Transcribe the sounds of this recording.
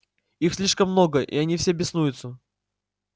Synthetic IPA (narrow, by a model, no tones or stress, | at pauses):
ixsʲlʲiʂkəmːnoɡəʔḭɐnʲifsʲebʲɪsnujʊt̪sə